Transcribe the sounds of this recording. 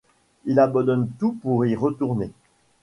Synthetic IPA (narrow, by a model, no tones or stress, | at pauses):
ilabɑ̃d̪ɔnt̪upuʁiʁət̪uʁne